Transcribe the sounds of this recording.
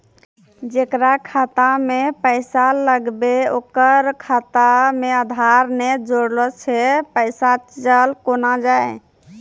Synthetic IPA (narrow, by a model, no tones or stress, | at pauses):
d͡ʒekɾakʰat̪amepəɪsaləɡbeokəɾkʰat̪ameəd̪ʱaɾnɛd͡ʒoɽlɔt͡ʃʰɛpəɪsaəlkonad͡ʒae